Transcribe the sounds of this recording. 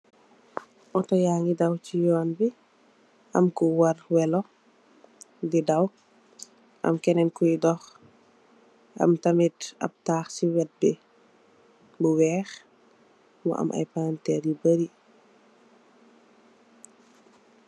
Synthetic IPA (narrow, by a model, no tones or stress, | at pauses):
ʔɔtɔjaːŋidɐwcijɔːnbi | ʔɐ̰mkuwɐrwɛlɔ | didɐw | ʔɐ̰mkɛnɛnkujdɔx | ʔɐ̰mtɐmitɐ̰p̚taːxsiwɛt̚bɛ | buwɛːx | mɔ̰ʔɐ̰mʔɐ̰jpantɛɾjibəɾi